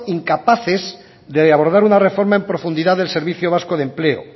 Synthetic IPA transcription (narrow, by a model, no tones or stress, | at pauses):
iŋkapaθez | ðeaβ̞o̞ɾð̞aɾunarefo̞ɾmae̞mpɾo̞fund̪iðaðelse̞ɾβ̞iθjoβ̞askoðe̞mpleo̰